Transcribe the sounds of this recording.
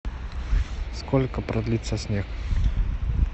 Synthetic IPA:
skɔlʲkɐpɾɐd̪lʲit̪sɐsʲnʲɛx

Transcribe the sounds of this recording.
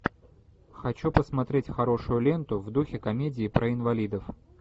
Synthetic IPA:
xɐt͡ɕupəsmɐt̪ɾʲetʲxɐɾo̞ʂʊjʊlʲe̞nt̪ʊvd̪uxʲɪkɐmʲedʲɪːpɾʔəɪnvɐlʲid̪əf

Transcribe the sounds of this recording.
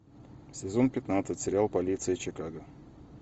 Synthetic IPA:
sʲɪzo̞npʲɪt̪nat̪sɨtʲsʲɪɾʲɪalˠpɐlʲit̪sɨɪt͡ɕɪkaɡə

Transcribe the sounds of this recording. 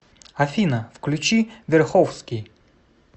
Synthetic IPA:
ɐfʲinɐfklʲʊt͡ɕivʲɛrxɔwskʲij

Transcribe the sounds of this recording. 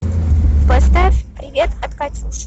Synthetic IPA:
pɐst̪afʲpɾʲɪvʲet̪ɐt̪kat̪ʲilˠs

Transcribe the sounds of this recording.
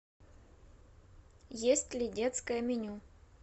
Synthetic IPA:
jesʲtʲlʲɪdʲet̪skəjəmʲɪnʲu

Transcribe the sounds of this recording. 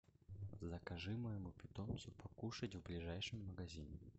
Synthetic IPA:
zɐkaʐɨmɐjɪmupʲɪt̪ɔnsʲʊpʰakuʂɐt͡sʲvblʲiʐajʂɨmːɐɡazʲinʲɪ

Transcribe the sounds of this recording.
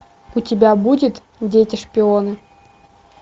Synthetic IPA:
utʲɪbʲabudʲɪt̪ | vdʲetʲɪʂpʲɪonɨ

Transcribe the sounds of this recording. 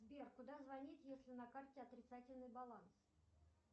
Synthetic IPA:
zbʲerkʊd̪azvɐnʲit̪jesʲlʲɪnɐkartʲɪɐt̪ɾʲɪt̪satʲɪlʲnɨjbɐlˠans

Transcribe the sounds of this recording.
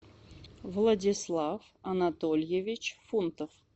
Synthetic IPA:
vlˠadʲɪslˠaf | ɐnat̪olʲjevʲɪt͡ɕfunt̪əf

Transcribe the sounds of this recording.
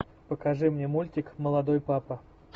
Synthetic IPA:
pəkɐʐɨmnʲemulʲtʲɪkməlˠɐd̪ojpapə

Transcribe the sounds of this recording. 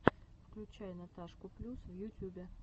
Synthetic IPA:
fklʲʉt͡ɕæjnɐt̪aʂkʊplʲusvjʊtʲubʲɪ

